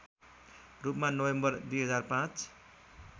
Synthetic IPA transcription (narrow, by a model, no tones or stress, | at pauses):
rupmanʌwembʌrd̪ujɦʌd͡zarpãt͡s